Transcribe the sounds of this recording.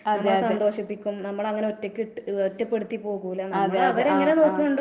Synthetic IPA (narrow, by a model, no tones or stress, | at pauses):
ɐɐmɐɭsɐnd̪o̞ːɕipːikʲːumnɐmːɐɭɐŋːɐneo̞tːekʲːɨotːɐpːe̞ɽut̪ːipo̞ːɣumilːɐnmɐeɐʋɐɾeŋːɐne̞no̞ːkːumuɳɖ